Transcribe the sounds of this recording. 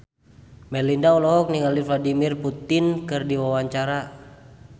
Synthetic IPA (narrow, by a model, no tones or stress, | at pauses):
mɛlindaɔlɔɦɔk̚niŋalifladimirput̪ɪnkɨrdiwawaɲt͡ʃaɾa